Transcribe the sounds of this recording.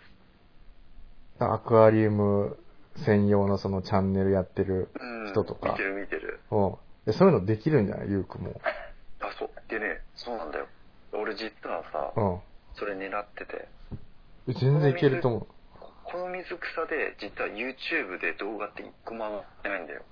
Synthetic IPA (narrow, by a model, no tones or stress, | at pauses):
d̪a̰akɯ̟aɾʲimɯ̟sẽ̞ɰ̃jo̞ːnoso̞no̞t͡ɕãnːe̞ɾɯ̟jat̪ːe̞ɾɯ̟ɯ̃çit̪ot̪o̞kmia̰t̪eɾɯ̟mʲit̪e̞ɾɯ̟̰ɯ̃ːasoɾenod̪e̞kʲiɾɯ̟̃ɲd͡ʑa̰na̰jɯ̟ːkɯ̟mo̰asoːd̪̥eneso̞ːnãnd̪a̰jo̞̰̥ | ao̞ɾe̞d͡ʑit͡sɨβasa̰ɯ̟̃ːso̞ɾe̞ne̞ɾat̪ːe̞t̪e̞̰ | ezẽ̞nd͡zẽikeɾɯ̟t̪omokʰo̞nomʲizɨkɯ̥sad̪e̞̰d͡ʑit͡sɨβajɯ̟ːt͡ɕɨːbɯ̟d̪e̞d̪o̞ːɡat̪ːeikɯ̟mãnat̪ːeaĩnd̪a̰jo̞̰